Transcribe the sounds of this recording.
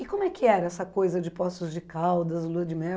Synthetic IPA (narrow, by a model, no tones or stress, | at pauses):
ɪkõmʊɛkɪɛɾɐɛsɐkojzɐd͡ʒɪpɔst̪ʊzd͡ʒɪkawd̪ɐzluɐd͡ʒɪmɛ